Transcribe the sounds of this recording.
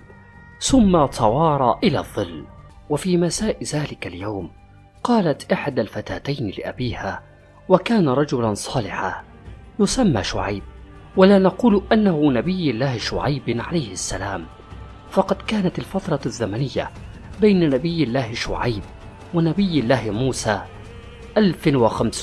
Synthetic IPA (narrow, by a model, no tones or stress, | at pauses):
θʊmːat̪ʰˤɑwɑːɾˤɑːʔɪla̰ːðˤːɨlː | wafiːmasaːʔɪðaːlɪkaljawm | qɑːlat̪ʔɪħad̪alfat̪aːt̪ajnɪlɪʔabiːhaː | wakaːnaɾˤɑd͡ʒʊlansˤɑːlɪħaː | jʊsamːa̰ːʃʊ̰ʕajb̚ | walaːnɑquːlʔanːahʊnabɪjːɪlːaːhɪʃʊʕajbʕa̰lajhɪasːalaːm | fɑqɑd̪kaːnat̪alfɑt̪ɾˤɑzːamanɪjːa̰ | bajnanabɪjːɪlːaːhɪʃʊ̰ʕajb̚ | wanabɪjːɪlːaːhmuːsaː | ʔalfwaxams